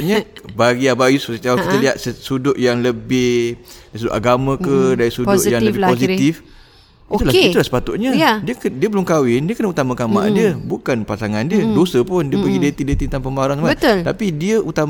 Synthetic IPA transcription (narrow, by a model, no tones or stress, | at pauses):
ɲəbaɡiabajussət̪aakit̪əliɦat̪̚səsudʊʔjaŋləbɪhdas̬udʊ̰ʔaɡamãkədaɾisudʊʔjaŋləbɪposit̪if | it̪ulait̪ulasə̥pat̪ʊʔ̚ɲəjadiəkdiəbəlʊŋkawɪndiəkənəut̪amãkamã̰ʔdiəbukanpasaŋandiədosəpʊndiəpəɡidet̪idet̪it̪aŋpəmbaaɾansmaəʊlt̪apidiəʔut̪am